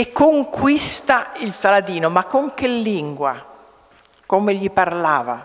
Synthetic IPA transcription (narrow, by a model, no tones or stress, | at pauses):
ekːoŋkwist̪ailsalad̪iːnomakːoŋk̟elːiŋɡwa | komeʎːiparlaːva